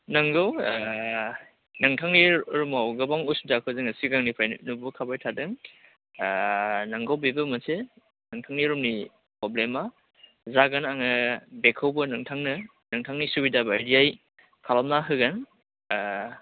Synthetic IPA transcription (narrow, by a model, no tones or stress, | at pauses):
nɐŋɡaw | nɐŋtʰaŋniɾumawɡɐbaŋusdakʰɯwzɯŋɐsiɡaŋnipʰajnubukʰabajtʰadɯŋ | nɐŋɡawbibɐmɐse | nɐŋtʰaŋniɾumni | pɾɔblema | zaɡanaŋɐbekʰawbɐnɐŋtʰaŋnɐ | nɐŋtʰaŋnisubidabjdiaj | kʰalamnaɦɯɡan